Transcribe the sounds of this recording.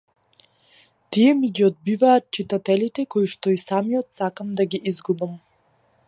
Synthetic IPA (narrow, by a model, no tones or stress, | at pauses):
t̪ijɛmiɡiɔd̪̚bivaːt̪̚t͡ʃit̪at̪ɛlit̪ɛkɔiʃt̪ɔisamiɔt̪sakamd̪aɡiʔizɡubam